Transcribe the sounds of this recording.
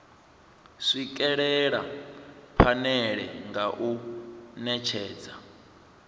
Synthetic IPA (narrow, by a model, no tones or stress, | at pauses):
ʂik̬ʼɛɺɛɺa̰ | ɸʰanɛɺɛŋɡaʔunɛt͡ʃʰɛːd͡za